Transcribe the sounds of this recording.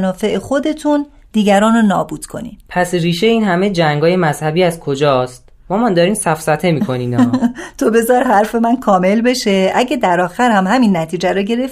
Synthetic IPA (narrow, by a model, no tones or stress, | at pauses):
nɒːfe̞ʔexo̞d̪e̞t̪ʰun | d̪iːɡæɾɒːnonɒ̰ːbuːd̪̥kʰo̞̰nḭːmpʰæsriːʃeiːnhæmed͡ʒæŋɡɒːje̞mæzhæbiːæzkʰo̞d͡ʒɒːst̪ | mɒːmænd̪ɒːɾiːmsæfsæt̪ʰe̞miːkʰo̞niːnɒːt̪ʰobe̞zɒɾɦæɾfe̞mænkʰɒːme̞lbe̞ʃe̞ʔæɟæd̪æɾɒːxæɾhæmhæminːæt̪ʰiːd͡ʒæɾɔɟe̞ɾe̞f